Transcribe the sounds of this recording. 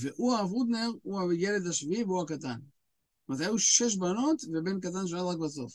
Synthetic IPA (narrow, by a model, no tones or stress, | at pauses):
veʔuaːvud̪neʁuajeled̪aʃviiveuakat̪an | mat̪ajuʃeʃ̬banot̪vebenk̬at̪̬anʃ̬onad̪akbaso̰f